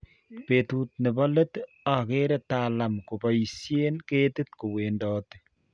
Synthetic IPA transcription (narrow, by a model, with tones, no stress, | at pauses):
pet̪u˦t̚ne˨bɔ˦le˦t | a˨ke˦ɾe˦tala˨mku˨ba˨isje˦nke˦tɪ˦t̪ku˨we˨ndɔːte